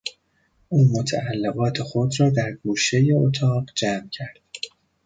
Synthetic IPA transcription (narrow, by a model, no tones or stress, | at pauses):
ʔuːmot̪ʰæʔælːevɒːt̪ʰe̞xo̞d̪rɒːd̪æɾɡuːʃe̞jeot̪ʰɒːɢd͡ʒæmcʰæɾd̪̥